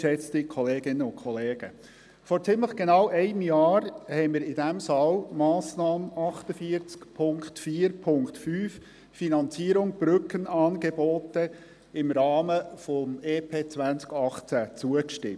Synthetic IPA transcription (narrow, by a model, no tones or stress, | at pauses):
ʃɛt͡st̪ikʰɔleːɡɪnəʊnkʰɔleːɡ̥ə | fɔɾt͡sɪmləχɡ̥enɑwʔɛɪnmjɑːɾhɛɪmɪːɾɪdæmsɑlmɑːsnɑːməʔɑχtəfiəɾt͡skpʰʊŋktfiːəɾpʰʊŋktfyːf | finɑnt͡siəɾʊŋb̥ɾʏkənɑːnɡebɔːtə | ɪmɾɑːməfɔmeːpʰeːt͡sʋænt͡skɑχt͡sæt͡suəkʃtɪ̰m